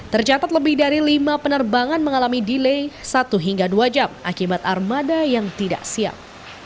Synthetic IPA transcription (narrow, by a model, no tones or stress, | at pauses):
t̪ərt͡ʃat̪at̪̚ləbɪhdaɾilimapənərbaŋanməŋalamidilejsat̪uɦiŋɡaduad͡ʒama̰kibat̪armadajaŋt̪ida̰ʔsia̰p̚